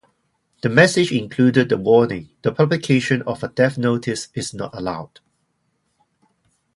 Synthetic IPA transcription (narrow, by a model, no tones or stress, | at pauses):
d̥əmɛsɪd͡ʒɪ̃ŋkʰl̥udəd̚əwɔːnɪ̃ŋd̥əpʰʌblikʰeʃə̃nɔfədɛfnotʰɪsɪsnɔ̰təlaʊd̥